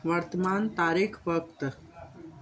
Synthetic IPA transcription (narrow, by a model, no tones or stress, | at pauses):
ʋɐɾt̪əmaːnt̪aːɾikʰʋəkt̪